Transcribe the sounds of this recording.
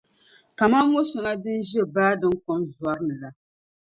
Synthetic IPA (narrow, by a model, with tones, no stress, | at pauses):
ka˨ma˦mo˦sɪ˨ŋa˦dɨ˦n˦ʒɛ˦baː˦dɨ˦ŋkɔ˦mza˦ɾɨ˦nɨ˨la˨